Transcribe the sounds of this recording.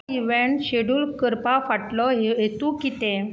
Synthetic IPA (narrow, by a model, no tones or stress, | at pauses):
iʋeɳʈɕeɽuːlkəɾpafaʈlɔɦɦet̪ukit̪ẽ